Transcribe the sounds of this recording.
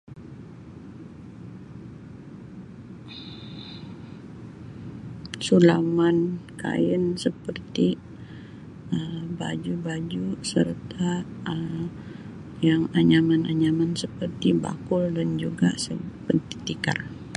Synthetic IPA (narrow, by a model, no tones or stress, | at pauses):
sulamanka̰jənsəpərt̪i | əba̰d͡ʒubad͡ʒusərt̪ʰaə | jaŋaɲamana̰ɲamansəpərt̪iba̰kʊldand͡ʒuɡa̰səpənt̪i̥t̪ika̰r